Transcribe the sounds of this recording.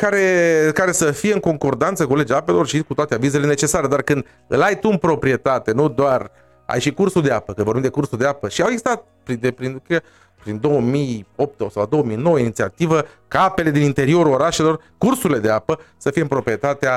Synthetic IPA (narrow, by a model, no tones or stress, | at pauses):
kaɾe̞kaɾe̞səfijeɨŋko̞ŋko̞rd̪ant̪səkule̞d͡ʒaape̞lo̞rʃikut̪oat̪e̞avize̞le̞ne̞t͡ʃe̞saɾe̞d̪arkɨnd̪ | ɨ̰lajt̪uɨnpɾo̞pɾie̞t̪at̪e̞nud̪oar | a̰jʃikursuld̪eapəkɨnvoɾbimd̪ekursuld̪e̞apəʃiaweɡzist̪at̪̚pɾid̪epɾink | pɾind̪o̞wəmijo̞p̚t̪osawd̪o̞wəmijno̞wəinit̪sia̰t̪ivə | kape̞le̞d̪inint̪e̞ɾio̞ɾuo̞ɾaʃe̞lo̞r | kursuɾile̞d̪eapəsəfijeɨmpɾo̞pɾije̞t̪at̪ea